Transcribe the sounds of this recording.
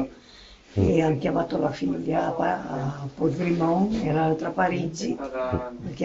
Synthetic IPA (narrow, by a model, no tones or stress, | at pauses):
eaŋkjamat̪olafiʎapapod͡ʒɡɾimɔŋeɾalt̪ɾapaɾid͡ʒi | aŋk